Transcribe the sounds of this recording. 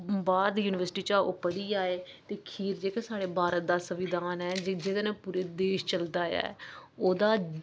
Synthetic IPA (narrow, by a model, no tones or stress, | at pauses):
baːɾd̪juːnɪʋəɾsɪ̥ʈiːt͡ʃaːo̰ːpəɽiːaːeːt̪eːkʰiːɾd͡ʒeːkasaːɽeːbʱaːɾət̪̚d̪aːsəʋɪd̪aːnɛːd͡ʒd͡ʒeːd̪eːnɛ̃ːpuːɾeːd̪eːʃt͡ʃəld̪aːja̰ːoːd̪aː